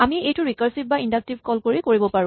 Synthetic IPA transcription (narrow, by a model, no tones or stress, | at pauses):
amiejtʊɹikaɹsip̚baindak̚tibʱkɔlkoɹikoɹibɔpaɹʊ̃